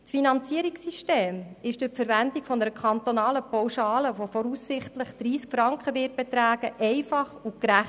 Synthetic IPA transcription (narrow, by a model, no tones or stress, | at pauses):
tfinɑnt͡siəɾiksːiʃteːmɪʃd̥ʊfəɾvændikfɔnəɾəkʰɑnt̪onɑːləpɔwʃɑːləʋofɔɾuːsːɪχtləχd̥ɾiːskfɾɑŋkχəʋɪːt̚b̥ɛt̪ɾæːɡ̥əʔɛɪfɑχʊkɾæχ